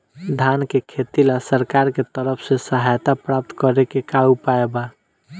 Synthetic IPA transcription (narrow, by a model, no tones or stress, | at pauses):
d̪ʱankekʰet̪ilasəɾkaɾket̪əɾəpʰsẽsəɦajt̪apɾap̚t̪kəɾekekaupaeba